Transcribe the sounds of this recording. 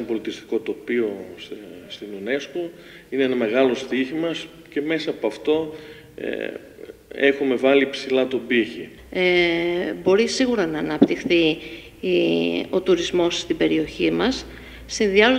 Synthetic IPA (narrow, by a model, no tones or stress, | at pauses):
mbo̞lit̪ist̪i̥ko̞t̪o̞pio̞sst̪inune̞sko | ineenɐme̞ɣɐlo̞st̪içimɐs | ce̞me̞sɐːpoɐft̪o̞ | ḛ | e̞xume̞vɐlipsilɐt̪o̞biçi | ebo̞ɾisiɣuɾɐnɐːnɐpt̪ixθi | o̞t̪uɾizmo̞sst̪ibe̞ɾio̞çimɐsː | inðiɐ